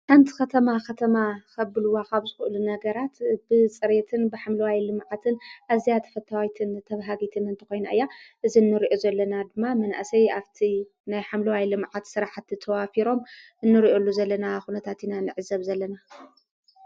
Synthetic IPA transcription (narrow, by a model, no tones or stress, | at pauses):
ħant̪ʰi̥kɐt̪ʰɐmakʰɐt̪ʰɐmakʰɐbɨlɨwakaβzɨxɨʔɨlunɐɡɐɾat̪bɨt͡sʼɨɾet̪ʰɨnbɨħamlɐwajlɨmʕat̪ʰɨnʔazijat̪ʰɐ̥fɐt̪ʰawt̪ʰɨnt̪ʰɐβɦaɡit̪ʰɨnɨnt̪ʰɨ̥xo̞jnaʔɨjːaʔɨzinːɨɾiʔo̞zɐlːɐnad̪ɨmːamɐna̰ʔsɐjaβt̪ʰi | najħamlɐwajlɨmʕat̪sɨɾaħat̪ɨt̪ʰɐwafiɾo̞m | ɨnːɨɾiʔo̞lːuzɐlːɐnaxunɐt̪ʰat̪inanɨʕɨzːɐβzɐlːɐna